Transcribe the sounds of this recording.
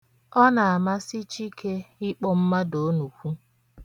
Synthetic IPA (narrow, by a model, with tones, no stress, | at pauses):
ɔ˦na˨a˨ma˦si˦t͡ʃi˦ke˦ɪ˦k͡pɔ˦m̩˦ma˦do˨o˦nu˨kʷu˦